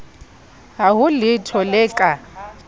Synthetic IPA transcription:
ɦaɦʊlɪtʰɔlɛkʼa

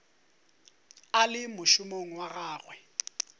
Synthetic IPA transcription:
alɪmʊʃʊmoŋ̩waɣaːɣwɛ

